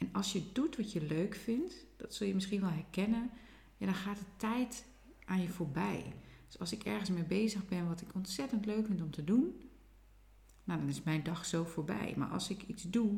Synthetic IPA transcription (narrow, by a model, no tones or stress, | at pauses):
ɛnɔlˠsjədutʋɔtjəløːkfɪntd̥ɔtsɔlˠjəmɪsxiənʋɛlˠɦɛrkɛnən | jadɔnxaːtətɛjt | ʔaːnjəfoːɹbɛ̰jd̥øsɑlˠsɪkɛrɣənsmejbejzəɣbɛnʋɔtɪkɔntsɛtəntløɥkfɪntɔmtədun | nadɔnɪsmɛjndɑxsowfoːɹbɛ̰jma̰ɹʔɔ̰lˠsɪkitsdu